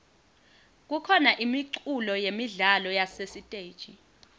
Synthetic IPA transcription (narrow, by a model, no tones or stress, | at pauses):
k̬ukʰɔnaʔimiǀulɔjemiɮalɔjasesitʼejd̥ʒ̥ʱi